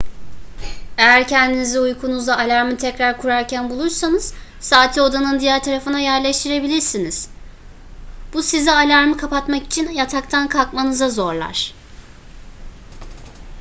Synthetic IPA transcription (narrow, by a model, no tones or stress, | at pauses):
e̞jæɾcʰɛnd̪iniziujkʰunuzlaːlʲaɾmɯt̪ʰɛcɾaɾkʰuɾaɾcʰænbulˠuɾsanɯz̥ | saːt̪ʰio̞d̪anɯnd̪ijæɾt̪ʰaɾafɯnajæɾlʲɛʃt̪ʰiɾe̞bilʲiɾsiniz̥ | b̥usizialʲaɾmɯkʰapat̪maki̥t͡ʃʰinjat̪ʰak̚t̪ʰankʰalˠkmanɯzazo̞ɾlˠa̰ɾ̥